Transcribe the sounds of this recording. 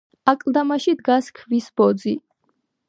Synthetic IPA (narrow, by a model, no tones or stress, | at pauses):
akʼlˠd̪amaʃid̪ɡaskʰvisb̥ɔd̪zi